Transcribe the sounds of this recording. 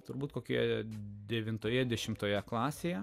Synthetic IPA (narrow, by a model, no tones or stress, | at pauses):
t̪ʊɾbuːt̪koːkʲojɛd̪ʲɛʋʲɪnt̪oːjɛd̪ʲɛʃʲɪmt̪oːjɛklˠɑːsʲeːjɛ